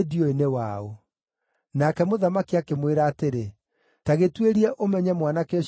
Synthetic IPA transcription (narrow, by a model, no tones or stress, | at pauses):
diɔenewao | nakɛmoðamakiakemweɾaːteɾe | taɣetweɾiɛʔomɛɲɛmwanakɔ